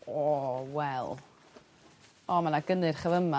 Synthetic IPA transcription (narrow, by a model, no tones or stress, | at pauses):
ɔːwɛlˠ | ɔmanaɡ̥ənɨrχəvəma